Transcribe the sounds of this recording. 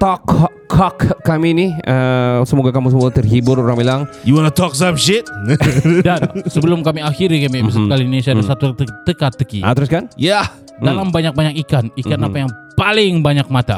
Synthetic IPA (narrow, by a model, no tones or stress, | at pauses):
t̪ɔkʰː | akːaminiəsəmoɡakamusəmoɡat̪ərɦibʊroɾaŋmilaŋjuwanat̪ɔksapʃɪt̪̚dansəbəlʊmkamiahiɾikamimis̬at̪kalinunesiadasat̪ut̪əkat̪ːəkḭʔa̰t̪əɾʊskanja | dalambaɲak̚baɲak̚ikanikanapajaŋpalɪŋbaɲak̚mat̪a̰